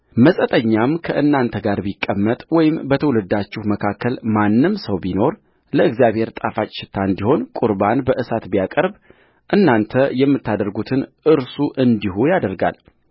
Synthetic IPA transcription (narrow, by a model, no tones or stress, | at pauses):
məsʼət̪ʼəɲːamkʰəʔɨnːant̪ʰəɡaɾbikʼːəmːət̪ʼwɔjɪmbət̪ʰəwlɨd̪ːat͡ʃːɪhməkʰakʰːəlmanːɨmsəwbino̞ɾ | ləɨɡzjaβhe̞ɾt̪ʼafat͡ʃʼʃɪ̥t̪ʰːaɨnd̪iho̞nkʼuɾbanbəʔɨsat̪bijakʼəɾb | ʔɨnːant̪ʰəjɛmːɨt̪ʰːad̪əɾɡut̪ʰɨnʔɨɾsuʔɨnd̪iɦujad̪əɾɡa̰l